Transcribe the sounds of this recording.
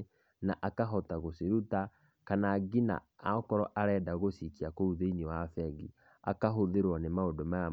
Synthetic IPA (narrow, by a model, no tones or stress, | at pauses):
naʔakaɦɔtaɣoseɾuta | kanaɡina̰ | aɔkɔɾɔʔaɾɛdaɣosikiakouðeinewafɛɡi | a̰kaɦoðeɾwɔnemaondɔmaa